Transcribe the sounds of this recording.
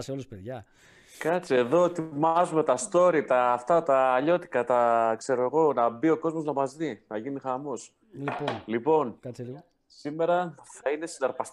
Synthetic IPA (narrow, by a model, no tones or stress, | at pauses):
seoluspeðʝɐ | kɐt͡sie̞ðo̞et̪imɐzume̞t̪ɐst̪o̞ɾit̪ɐːft̪ɐt̪ɐːʎo̞t̪i̥kɐt̪ɐkse̞ɾo̞eɣo̞nɐbio̞ko̞zmo̞znɐmɐzðinɐʝinixɐmo̞s | lipo̞n | sime̞ɾɐθɐine̞sinɐɾpɐst̪